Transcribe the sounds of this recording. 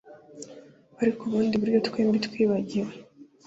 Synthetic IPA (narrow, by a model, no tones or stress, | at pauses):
aɾikuβuːndiβuɾjo̞tkweːmbit̪kwiːβaɟiɾe